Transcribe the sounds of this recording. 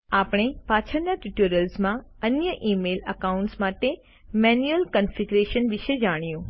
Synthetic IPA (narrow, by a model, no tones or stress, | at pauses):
aːpɽ̃epaːt͡ʃʰənjaʈuʈuɾəlsmãənjəʔiːmeləkaʊ̃ɳʈsmaːʈe | mɛnjuəlkənfiɡɾeʃənʋɪʃed͡ʒaɽ̃ijũː